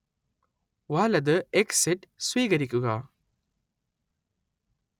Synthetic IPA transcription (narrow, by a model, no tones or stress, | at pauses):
waːlɐd̪əeksiʈswiːɡɐɾikuɡaː